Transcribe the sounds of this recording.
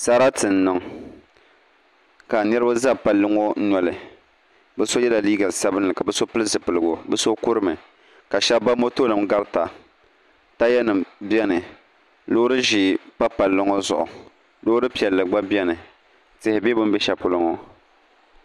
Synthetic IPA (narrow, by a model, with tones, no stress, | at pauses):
sa˦ɾa˦tɨ˨n˦nɨ˨ŋ | ka˨nɛ˦ɾɨ˦ba˦za˦pa˨lːɨ˦ŋo˦n̩˦nɔ˨lɨ˨ | bɛ˦so˦jɛ˦la˨liː˦ɡa˨sa˦bɨ˦nːɨ˨ka˨bɛ˦so˦pɨ˦lɨ˦zɨ˨pɨ˨lɨ˨ɡʊ˨bɛ˦so˦kʊ˦ɾɨ˦mɨ˨ | ka˨ʃɛ˦ba˦mo˦to˦nɨ˨mɡa˦ɾta˨ | ta˦jɛ˦nɨ˨mbjɛ˦nɨ˨ | lo˦ʊ˦ɾɨ˦ʒi˦˨pa˦pa˨lːɨ˦ŋɔ˦zʊ˨ʔʊ˨ | lo˦ʊ˦ɾɨ˦pi˨ɛ˨lːɨ˨ɡ͡ba˦bjɛ˦nɨ˨ | tɪ˦hɪ˨bɛ˦bɨ˦mbɛ˦ʃɛ˨pʊ˦lʊ˦ŋɔ˦